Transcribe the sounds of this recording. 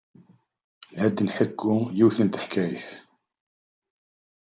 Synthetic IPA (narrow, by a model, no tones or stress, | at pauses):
læd̪ːnħəkːujiwθənt̪ə̥ħkæjḭθ